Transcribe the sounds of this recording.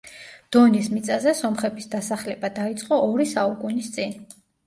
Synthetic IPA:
d̪̥ɔnismit̪sʼazɛsɔmχɛbʰisd̪asaχlɛbad̪ait̪sʼqʼɔʔːɾisaukʼunist̪sʼin

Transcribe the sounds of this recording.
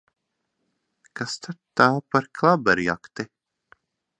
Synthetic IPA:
kast̪at̪aːpaɾkʰlˠabɛɾja̰kt̪i

